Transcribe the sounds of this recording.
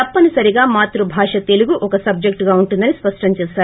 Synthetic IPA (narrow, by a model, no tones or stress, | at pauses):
t̪ɐpːɐnisɐɾiɡaːmaːt̪ɾubʱaːʂɐt̪e̞luɡuʔɔkɐsɐb̚d͡ʒek̚ʈɡaːuɳʈund̪ɐnispɐʂʈɐmt͡ʃɛːʃaːɾu